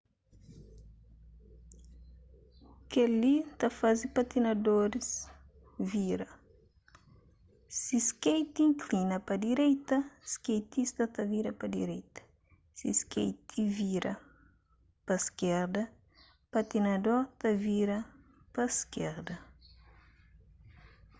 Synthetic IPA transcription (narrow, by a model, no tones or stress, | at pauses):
kelit̪ɐfazipat̪inɐd̪oɾis | viɾɐ | siskejt̪ĩŋklinɐpɐd̪iɾɛjt̪ɐskejt̪ist̪ɐt̪ɐviɾɐpɐd̪ḭɾɛjt̪ɐ̥ | sḭskḛjt̪ʰiviɾɐ | pɐskɛɾd̪ɐ | pat̪inɐd̪oɾt̪ɐviɾɐ | pɐskɛɾd̪ɐ